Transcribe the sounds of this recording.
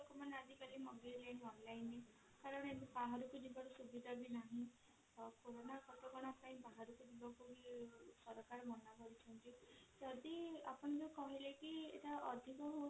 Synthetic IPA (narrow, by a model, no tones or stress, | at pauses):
kumanead̪ikalimɔɡelajnɔnlajne | kaɾɔɽ̃enibaɦaɾukud͡ʒibɔɽusubid̪ʱabinaɦĩ | koɾonakɔt̪oɡɔɽ̃ɔpaĩbaɦaɾukud͡ʒibɔkubisɔɾɔkaɾɔmɔnaɡɔɾit͡ʃʰɔnt̪id͡ʒɔd̪ia̰pɔñid͡ʒekɔɦilekiḛʈaɔ̰d̪ʱikɔɦo